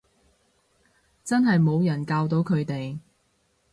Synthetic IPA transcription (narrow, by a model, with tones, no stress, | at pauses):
t͡sɐ˥nɦɐ˨jmo˨˧wjɐ˨˩nkaː˧wt̪o˨˥wkʰɵ˨˧ɥt̪e˨j